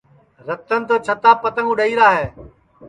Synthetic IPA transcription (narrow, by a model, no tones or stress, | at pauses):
ɾət̪ənt̪ət͡ʃʰət̪aːpət̪ə̃ŋɡʊɗəiːɾaːɦeː